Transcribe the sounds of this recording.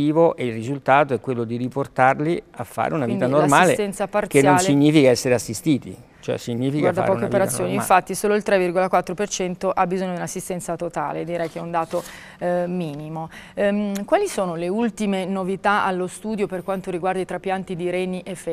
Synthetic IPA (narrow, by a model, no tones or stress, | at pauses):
iːvoʔeilrizult̪aːt̪oɛkwelːod̪iɾiport̪arliafːa̰ːɾḛunait̪anormaːslet̪ɛnsapart̪senjːonːsliɲːiːfikaɛsːeɾeasːist̪iːt̪ḭ | t͡ʃoɛ̰siɲːiːfikɡwaaɾfd̪a̰ɾpɔːkeopeɾatsːjoːniɱfat̪ːisoːloilt̪ɾɛvirɡolakwat̪ːɾopert͡ʃɛnt̪oʔabːizoɲːod̪iunasːist̪ɛnt̪sat̪ot̪a̰ːled̪iɾɛjk̟eɛund̪aːt̪o | miːnimo | kwaːlisoːnoleult̪imenovit̪aalːost̪uːd̪joperkwant̪oɾiɡward̪ait̪ɾapːjant̪id̪iɾɛniʔefɛ